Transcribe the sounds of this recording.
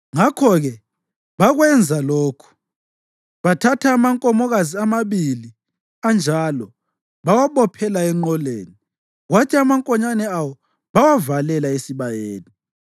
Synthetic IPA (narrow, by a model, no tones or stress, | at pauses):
ŋakʰɔɣɛ | βaɣwɛnd͡zʱaloːkʰu̥ | βatʰatʰaːmaŋkʼɔmɔɣaziamaβili | and͡ʒʱalɔ | βawaβɔpʰɛlaɛŋ͡ǃɔleːni | ɣwatʰiamaŋkʼɔɲanɛawɔ | βawavalɛlaesiβajeːni